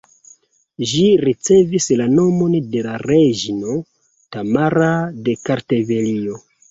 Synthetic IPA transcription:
ʒiɾit͡se̞vislano̞mo̞nde̞laɾeʒino̞ | tamaɾade̞kaɾte̞ve̞lio̞

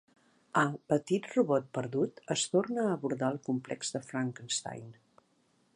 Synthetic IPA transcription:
əpət̪it̪ruβɔt̪̚pəɾðut̪əst̪ornəːβuɾðaəlˠkumplɛ̰kzðəfɾaŋkənst̪a̰jn

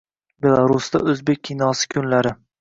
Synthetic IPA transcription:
be̞lˠaɾʊst̪a̰ɵzbek̚ʲʰːinɒsɪ̥kʲʰʊnlaɾɪ

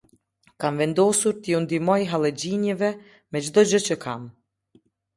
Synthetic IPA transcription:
kamvɛnd̪ɔsuɾt̪əjund̪imɔjɦalˠɛd͡ʑinjɛvɛ | mɛd͡ʒd̪ɔd͡ʑət͡ɕəkʰam

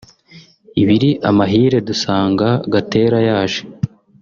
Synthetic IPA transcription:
iβiɾiʔamaɦiːɾe̞dusaːŋɡaɡate̞ːɾajaːʒe

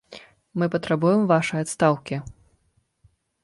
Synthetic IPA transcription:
mɨpɐt̪ɾabujɛmvaʂɐjat̪st̪awkʲi

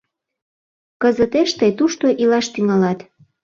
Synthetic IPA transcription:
kəzət̪eʃt̪əjt̪uʃt̪oʔilɑʃt̪yŋɑlɑt̪

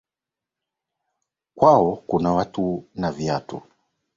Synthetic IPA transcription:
kwaɔkunawatunaviatṵ

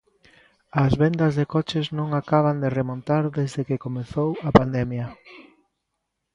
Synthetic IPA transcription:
ɐzβend̪ɐzðekɔt͡ʃeznõŋakaβ̞and̪eremõnt̪aɾðezðekekomeθowɐpand̪ɛmjɐ

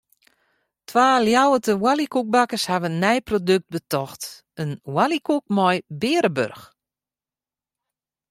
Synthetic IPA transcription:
tʰwaːljawətəwalikuk̚bakəshaʋənːɛjprodøk̚t̚bətɔxt | ənwalikuk̚mɔjbɪːɾəbø̰rx

